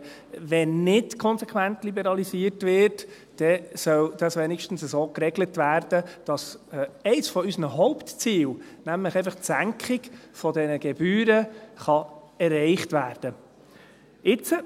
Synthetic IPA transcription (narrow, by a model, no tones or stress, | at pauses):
ʋɛnːɪtkʰɔnsɛkʰʋæntlibɛɾɑlisiːəɾtʋɪːrt | d̥ɛsœld̥ɑsʋɛnikʃtən̩səzoːkrɛɡlətʋæːɾd̥əd̥ɑsɛɪsfɔysənəɦɔʊptt͡siːl | næmləχɛɪfəχtsæŋkχɪɡfɔdɛnəɡ̥ɛb̥yːɾəχɑɛɾɛɪχtʋæːɾd̥ə | ɪt͡sə